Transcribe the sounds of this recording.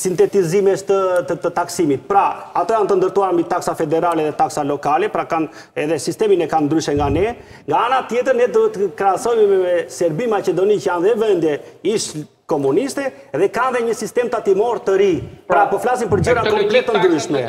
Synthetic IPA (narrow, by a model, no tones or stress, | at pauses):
sint̪ɛt̪izimɛst̪əət̪ət̪aksimit̪̚pɾaat̪ɔjant̪ənd̪əɾt̪uaɾmit̪aksafɛd̪ɛɾalɛðɛt̪aksalɔkalɛpɾakan | ɛðɛsist̪ɛminɛkand̪ɾyʃɛŋɡanɛ | ŋɡaanat̪jɛt̪̬əɾnɛd̪uɦɛt̪ːəkɾɛasɔjmɛmɛmɛsɛɾbimat͡ʃɛd̪ɔnicəjanðɛvɛnd̪jɛiʃ | kɔmunist̪ɛ | ðɛkanðɛɲəsist̪ɛmt̪at̪imɔɾt̪əɾipɾapɔflasinpəɾd͡ʑəɾakɔmplɛt̪ːənd̪ɾyʃmɛ